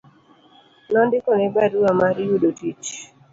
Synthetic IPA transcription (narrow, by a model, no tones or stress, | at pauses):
nɔndɪkɔnɛbaduamaɾjudotit͡ʃ